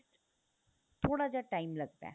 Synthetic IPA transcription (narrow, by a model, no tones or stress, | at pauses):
ʈ | t̪ʰoːɽad͡ʑaʈajmlɐɡ̚t̪ɛ̰̃ː